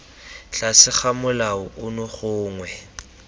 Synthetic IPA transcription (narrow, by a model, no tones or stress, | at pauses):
ɬasɪχamʊlaʊʔʊnʊχʊːŋwɛ